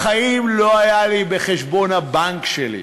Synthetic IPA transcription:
χaimlo̞ajalibeχeʃbo̞nhabaŋkʃelḭ

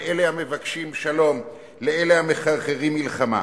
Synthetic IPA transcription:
ʔelehame̞vakʃimʃalo̞m | leelehameχaʁχeʁimːilχama̰

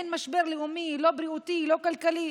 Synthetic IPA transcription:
nmaʃbeʁliumilo̞bɾiut̪ilo̞kalkali

